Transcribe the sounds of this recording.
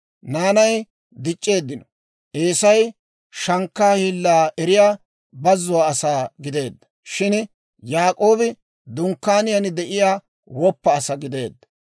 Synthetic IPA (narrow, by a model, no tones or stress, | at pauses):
naːnɐj | d̪ɪt͡ʃʼːe̞ːd̪ːɪnɔ | ʔeːsɐj | ʃɐŋkːaːhiːlːaːʔɛɾɪjaː | bɐzːʊwaːɐsaːɡɪd̪e̞ːd̪ːɐ̥ | ʃɪn | jaːkʼo̞ːbɪ | d̪ʊŋkːaːnɪjɐnɪd̪ɛʔɪjaː | wɔpːɐːsɐɡɪd̪e̞̰ːd̪ːɐ̥